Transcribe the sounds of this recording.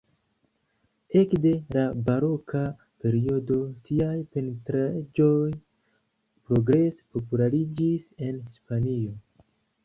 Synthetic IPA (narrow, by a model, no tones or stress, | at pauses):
e̞kde̞labaɾo̞kʰa | pe̞ɾio̞do̞tiajpe̞ntɾad͡ʒo̞j | pɾo̞ɡɾe̞spo̞pulaɾid͡ʒise̞nhispanio̞